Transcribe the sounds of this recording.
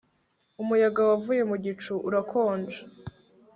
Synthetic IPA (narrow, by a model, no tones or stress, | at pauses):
umujaɡawavuje̞muɟit͡ʃuʔuɾakʰoːnd͡ʒa